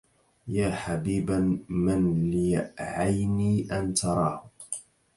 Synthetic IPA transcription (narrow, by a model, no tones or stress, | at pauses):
jaːħabiːbamanlɪjaʔʕajniːʔant̪ʰɑɾˤɑːh